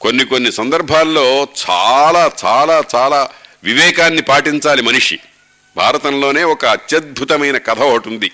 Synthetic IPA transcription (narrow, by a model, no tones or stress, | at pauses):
ko̞nːiko̞nːisɐnd̪ɐɾbʱaːlːo̞ːt͡ʃaːlaːt͡ʃaːlaːt͡ʃaːlaːʋiʋɛːkaːnːipaːʈiɲt͡ʃaːlimɐniʂḭ | bʱaːɾɐt̪ɐnloːne̞ːɔkɐːt̪jɐd̪̚bʱut̪ɐmɐjnɐkɐt̪ʰɐʋɐɐʈund̪i